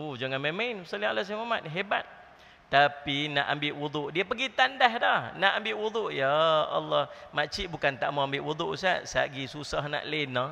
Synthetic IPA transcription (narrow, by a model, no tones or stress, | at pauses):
od͡ʒaŋanmemainsalialas̬amamat̪̚ɦebat̪̚ː | apina̰ʔambɪʔwud̪uʔdiəpəɡit̪andahdahnaʔambɪʔwud̪uʔjaa̰lːɔhmat͡ʃiʔbukant̪aʔmaambɪʔwud̪uʔsaʔsa̰ʔɡisusahna̰ʔlɪnə